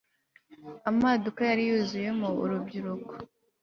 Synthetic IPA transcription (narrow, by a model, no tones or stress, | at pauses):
amadukajaɾijuzuje̞mṵːɾubɟiɾuko̥